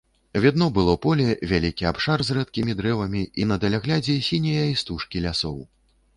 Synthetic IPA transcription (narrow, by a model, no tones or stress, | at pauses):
vʲad̪nɔbɨlˠɔpɔlʲɛvʲalʲikʲiapʂarzrɛt̪̚kʲimʲid̪ɾɛvɐmʲiinɐd̪ɐlʲaɣlʲad͡zʲɛsʲinʲɐjɐist̪uʂkʲilʲasɔw